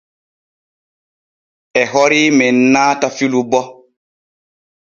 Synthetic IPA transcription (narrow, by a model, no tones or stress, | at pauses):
ʔɛɦɔɾiːmɛnːaːtafilubɔ